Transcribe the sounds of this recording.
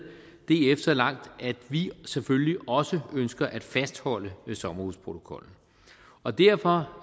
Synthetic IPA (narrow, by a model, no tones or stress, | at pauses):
d̥e̝efd̥ɐlɑ̈ŋ̰d̥æd̥ʋisefølliɒ̽səønsɡ̥ɐʔæd̥fæsd̥hɒ̽l̰əsɒ̽mɐhuðˠspʰʁo̝t͡sʰo̝kʰɒ̽l̰n̩ | ɒ̽d̥æɐ̰fɒ̽